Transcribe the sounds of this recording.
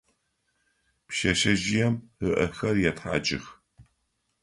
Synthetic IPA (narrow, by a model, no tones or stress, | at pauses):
pʃɐʃɐʒɪjɛməʔɐxɐrjɛtħa̰ːt͡ʃʼɪ̰x